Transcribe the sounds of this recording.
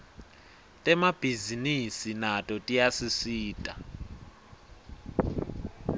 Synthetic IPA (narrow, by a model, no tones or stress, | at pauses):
tʼɛmab̥ʱizinisinatʼɔtʼijasisiːtʼa